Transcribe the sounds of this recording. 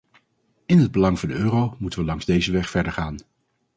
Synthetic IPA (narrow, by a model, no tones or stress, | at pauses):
ɪnɦəd̚bəlɑŋvɑndəøːrowmutənʋəlɑŋzdejzəʋɛχfɛɹdəɹχaːn